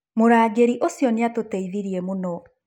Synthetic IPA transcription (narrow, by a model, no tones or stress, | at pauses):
moɾaːɡeɾiʔosjɔneatotɛiðiɾiemonɔ